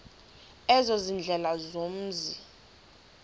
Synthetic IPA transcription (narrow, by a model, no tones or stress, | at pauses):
ɛzozind͡ɮʱɛlazom̩ːzi